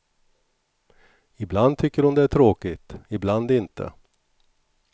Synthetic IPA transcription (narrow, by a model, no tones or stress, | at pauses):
ɪbland̪̚t̪ʰʏkːəɾʊnd̪ɛæʈʰɾoːkɪt̪ɪbland̪ɪnt̪ʰə̰